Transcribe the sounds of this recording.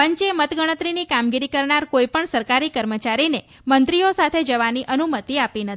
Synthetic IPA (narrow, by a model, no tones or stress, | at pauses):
pəɲt͡ʃemət̪ɡəɽ̃ət̪ɾinikamɡiɾikəɾɳaɾkoipəɳsəɾkaɾikəɾmət͡ʃaɾine | mənt̪ɾiosat̪ʰed͡ʒəʋaniʔənumət̪iapinət̪ʰi